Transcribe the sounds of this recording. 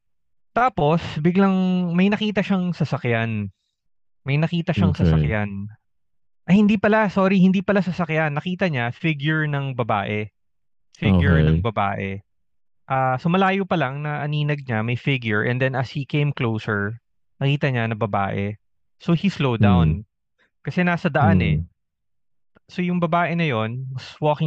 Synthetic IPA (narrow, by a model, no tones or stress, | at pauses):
t̪aːpo̞sbɪɡlɐŋmɐjnɐkiːt̪ɐʃaŋsɐsɐkjan | mɐjnɐkiːt̪ɐʃaŋsɐsɐkjan | ʔɐhɪnd̪iːpɐlasoːɾihɪnd̪iːpɐlasɐsɐkjanːɐkiːt̪ɐɲafɪɡjʊɹnɐŋbɐbaːʔɛ | fɪɡjʊɹnɐŋbɐba̰ːʔɛ | ʔaːsomɐlaːjopɐlaŋnɐʔɐniːnɐɡ̚ɲamɐjfɪɡjʊɹʔɛ̰̃nd̪ɛnɐshikẽjmklowsɛɹ | nɐkiːt̪ɐɲanɐbɐba̰ːʔɛ | sohislowd̪awn | kɐsɛnaːsɐd̪ɐʔanɛ | so̞jʊŋbɐbaːʔɛnɐjo̞nmɐswoːkɪ